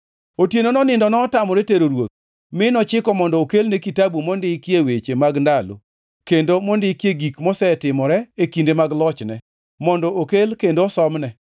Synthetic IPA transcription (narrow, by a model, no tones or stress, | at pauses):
otjenonɔnɪndɔnɔːtamɔɾɛteɾoɾwo̰t̪̚ | mɪnɔt͡ʃɪkɔmɔndɔːkelnekitabumɔndɪkjewet͡ʃemaɡndalo̰ | kendomɔndɪkjeɡikmɔsɛtɪmɔɾɛekindemaɡlɔt͡ʃnɛ | mɔndɔʔokelkendosɔmnɛ